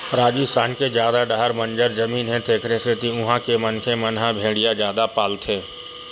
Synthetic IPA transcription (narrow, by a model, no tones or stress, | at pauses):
ɾaːd͡ʒisaːnkezjaːd̪aɖaɦəɾmə̃nd͡ʒəɾzəmiːnɦɛ̃t̪ʰeːkʰɾeset̪iʊɦãkemənkʰemənɦãbʱeːɽijazjaːd̪apaːlt̪ʰeː